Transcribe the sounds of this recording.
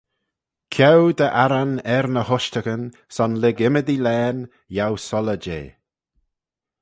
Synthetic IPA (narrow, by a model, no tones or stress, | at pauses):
kʰɛwd̪əʔaɾanɛɾnəhʊʃt̪əkən | sɔnlɪɡɪməd̪ilɛːn | jawsɔləd͡ʒḛː